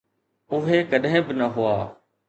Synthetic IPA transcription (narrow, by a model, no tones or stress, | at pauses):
ʊɦeːkəɗɦẽːbɪnəɦʊaː